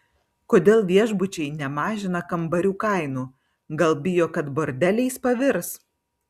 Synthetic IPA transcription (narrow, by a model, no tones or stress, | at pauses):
koːd̪ʲeːlˠʋʲiɛʒbʊt͡ʃʲɛɪnʲɛmɑːʒʲɪnɐkɐmbɐɾʲuːkɐɪnuː | ɡɐlˠbʲɪjoːkɐt̪boːɾʲd̪ʲɛlʲɛɪspɐʋʲɪɾs